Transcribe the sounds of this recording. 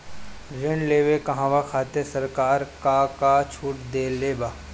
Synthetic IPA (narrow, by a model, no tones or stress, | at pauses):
ɾɪɳleːʋekɐɦãʋakʰaːt̪esɐɾkaːɾkakat͡ʃʰuːʈd̪eːleːbaː